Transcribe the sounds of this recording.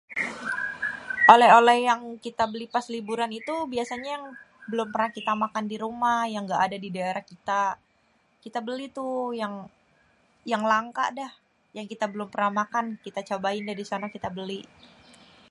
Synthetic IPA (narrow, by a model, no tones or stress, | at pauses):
ʔolɛɦolɛhjaŋkit̪abəlipaslibuɾanit̪ubiasaɲajaŋ | bəlʊmpərnahkit̪amakandiɾumahjaŋɡaʔːdadidaeɾahkit̪a | kit̪abəlit̪ujaŋ | jaŋlaŋka̰dɛh | jaŋkit̪abəlʊmpərnahmakankit̪at͡ʃabaɪndaɾisanakit̪abəli